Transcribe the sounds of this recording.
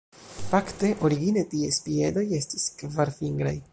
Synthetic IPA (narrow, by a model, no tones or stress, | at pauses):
fakte̞ʔo̞ɾiɡine̞tiespie̞do̞je̞sti̥skvaɾfiŋɡɾaj